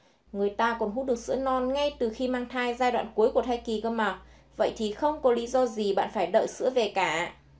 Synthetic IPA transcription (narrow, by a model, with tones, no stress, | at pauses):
ŋɨ˨˩əjt̪aː˧kɔ˨˩nɦu˦˥ɗɨ˨˩ək̚sɨ̰˧˥ənɔ˧nŋa˧jt̪ɨ˨˩xi˧maː˧ŋt̪ʰaː˧jzaː˧jɗwa̰ː˧˨nku˨˦jku˧˩ət̪ʰa˧jki˨˩kəː˧ma˨˩k̚ | və̰˧˨jt̪ʰi˨˩xə˧wŋ͡mkɔ˨˦li˨˦zɔ˧zi˨˩ɓa̰ː˧˨nfaː˧˩jɗə̰ː˧˨jsɨ̰˧˥əve˨˩kaː˧˩